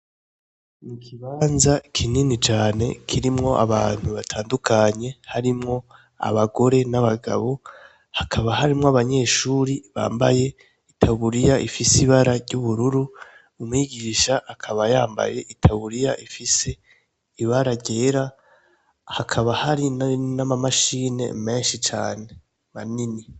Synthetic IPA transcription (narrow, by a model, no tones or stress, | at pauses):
nikʰiβaːnzakʰininit͡ʃaːne̞̰kʰiɾimŋo̞ʔa̰βaːn̥huβatʰaːndukʰaɲe̞haɾimŋo̞ | a̰βaɡo̞ɾe̞naβaɡa̰βo | hakʰaβahaɾimŋoaβaɲe̞ːʃuːɾiβa̰ːmba̰je̞ | itʰaβuɾijaʔifisiβaɾaɾɟuβuɾuɾu | umŋiɡiːʃaʔːkʰaβajaːmba̰je̞ʔitʰaβuɾijaʔifise̞ | iβaɾaɟe̞ːɾa | hakʰaβahaɾinnamamaʃiːne̞̰me̞ːnʃit͡ʃa̰ːne̞ | manini